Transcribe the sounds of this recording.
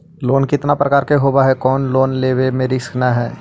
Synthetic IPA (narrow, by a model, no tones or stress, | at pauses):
loːnkɪt̪napɾəkaːɾkeɦoːbaɦɛkɔːnloːnleːwemẽɾɪskʰnaɦɛː